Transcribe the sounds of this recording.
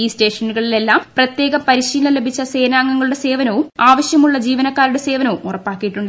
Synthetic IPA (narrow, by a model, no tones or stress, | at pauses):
iːsʈe̞ːʂɐnːuɣɐɭile̞lːaːmprɐt̪je̞ːɣɐmpɐɾiɕiːlɐle̞bʱit͡ɕːɐse̞ːnaːŋːɐŋːɐɭuɽe̞se̞ːʋɐnɐʋumaːʋɐɕjɐmuɭːɐd͡ʑiːʋɐnɐkːaːɾuɽe̞se̞ːʋɐnɐʋumurɐpːaːkːijiʈːuɳɖ